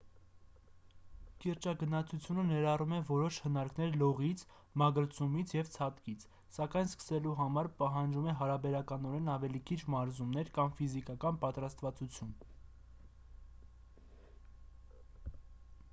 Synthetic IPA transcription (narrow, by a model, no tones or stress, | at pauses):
kiɾt͡ʃɑɡənɑt͡sʰut͡sʰjunənɛɾɑrumɛvɔɾɔʃhənɑɾknɛɾlɔʁit͡sʰ | mɑɡəɾt͡sʰumit͡sʰjɛvt͡sʰɑt̪kit͡sʰ | sɑkɑjnskə̥sɛluɦɑmɑɾpɑɦɑnd͡ʒumɛɦɑɾɑbɛɾɑkɑnɔɾɛnɑvɛlikʰit͡ʃʰmɑɾzumnɛɾkɑmfizikɑkɑnpɑt̪ɾɑst̪vɑt͡sut͡sʰjun